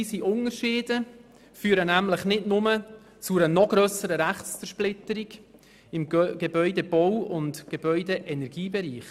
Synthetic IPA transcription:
iːsiʔʊnəɾʃɪːd̥ə | fyːɾənæmləχnɪdnʊmə | t͡sʊɾənɔɡ̥ɾœːsəɾəɾæχt͡st͡səɾʃplɪt̪əɾiɡ | ɪmɡ̥ebœʏdeb̥ɔwʊntɡ̥eb̥œʏdeʔɛnɛɾɡ̥iːbeɾiːχ

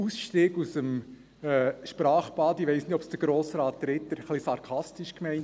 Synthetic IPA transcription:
usʃtiːɡ̥usəm | ɛːʃpɾɑːχpɑːdiʋɛɪsnɪtɔpsd̥əɾɡ̥ɾoːsɾɑːt̚ːɾɪt̪ːəɾχlisɑɾkʰɑstɪʃkmɛɪnt

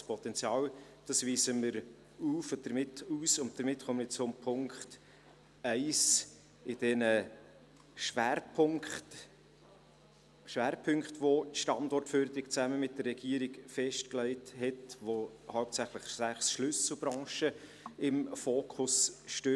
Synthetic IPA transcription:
spʰɔt̪ɛnt͡sjɑːwd̥ɑsʋiːzəməɾ | uːfʊd̥əɾmɪtʰuːsʊnt̚d̥̪əɾmɪtχoməɾɪt͡sʊmpʰʊŋkχt | ɛɪs | ɪd̥ɛnə | ʃʋæːɾpʰʊŋkχt | ʃvæːɾpʰʏŋkχtʋotʃtɑndɔrtføːɾd̪əɾɪkt͡sæməmɪt̚d̥ərːɛɡ̥iəɾiɡfɛʃtklɛɪthɛtʋo | haʊp̚t͡sæχləχsæχsʃlʏsl̩b̥ɾɑ̃ːʃə | ɪmfoːkʰʊsʃtø

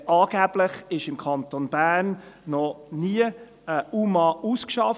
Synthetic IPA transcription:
ʔɑːɡ̥æb̥ləχɪʃɪmkʰɑnt̪onb̥æːrnːɔniə | əumɑʔuskʃɑf

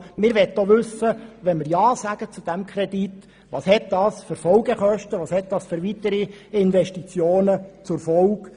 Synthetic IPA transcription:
mɪɾʋɛt̪ːoʋʉsːəʋɛnmɪɾjɑːsæɡ̥ət͡sud̥æmkʰrɛd̥it | ʋɑ̰ːshɛt̚d̥ɑːsføɾfɔlɡəχœʃtəʋɑːshɛt̪̚d̥̪ɑsføɾʋit̪əɾi | ɪnvɛʃtit͡sjoːnət͡sʊrfɔlk

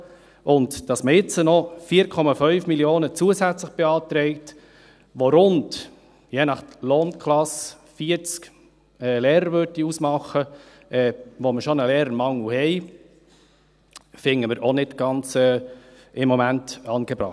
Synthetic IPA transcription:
ʔʊndd̥ɑsməɪt͡sənɔfiːɾkʰɔmɑfœʏfmiljoːnət͡suəsæt͡sləχb̥eɑːt̪ɾɛɪkt | ʋoɾʊnd | jeːnɑχloːnkʰlɑs | fiːəɾt͡sk | ɛːleːɾəɾʋøɾdiusmɑχə | ʔɛːʋoməʃonəlɛːɾənmɑŋl̩hɛɪ | fɪŋːəməɾʔonɪdɡ̥ɑnt͡sɛː | ɪmːomæntɑːnɡ̥ebɾɑ̰χ

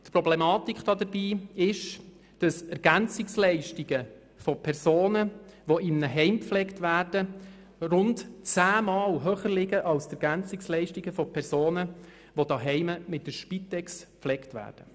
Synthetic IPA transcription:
tpɾɔblɛmɑːtikχd̥ɑd̪əɾbiːɪʃ | d̥ɑsɛɾɡ̥ænt͡sɪkslɛɪʃtiɡə | fɔpʰɛɾsoːnəʋoʔɪnːəɦɛɪmpflɛktʋæːrdə | rʊntt͡sæːmɑːlɦøːχəɾlɪɡəʔɑlsɛɾɡ̥ænt͡sɪkslɛɪʃtiɡəfɔpʰɛɾsoːnə | ʋod̥ɑɦɛɪməmɪt̚dəʃpitɛkspflɛktvʋæ̰ːrd̥ə

